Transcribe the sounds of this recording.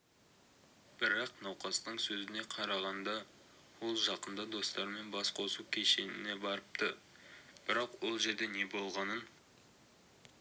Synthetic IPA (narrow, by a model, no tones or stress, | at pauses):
b̥ɪɾɑqnɑwqɑst̪əɴsɵzɪne̞qʰɑɾɑʁɑnd̪ɑ | wo̞lˠʒɑqənd̪ɑd̪o̞st̪ɑɾme̞nbɑsqʰo̞sukʲʰe̞ʃe̞nɪ̰ne̞bɑɾəp̚t̪ə | b̥ɪɾɑqwo̞lˠʒe̞ɾd̪e̞ne̞bo̞lˠʁɑnən